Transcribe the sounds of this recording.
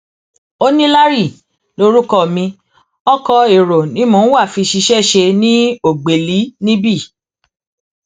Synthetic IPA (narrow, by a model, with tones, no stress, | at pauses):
o˦nĩ˦la˦ɾi˦˨ | lo˦ɾu˦kɔ˧˨mĩ˧ | ɔ˦kɔ˧e˨ɾo˨nĩ˨˦mõ˨˦wa˦˨fi˧ʃi˧ʃɛ˦˨ʃe˧nĩ˦o˦˨ɡ͡be˨li˨˦nĩ˦bi˦˨